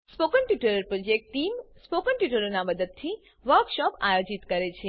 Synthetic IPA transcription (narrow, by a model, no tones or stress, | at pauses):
spokəɳʈjuʈəɾəɾpɾod͡ʒek̚ʈʈimspokəɳʈuʈəɾonaməd̪əd̪̚t̪ʰi | ʋəɾkʃɔpajod͡ʒit̪kəɾet͡ʃʰe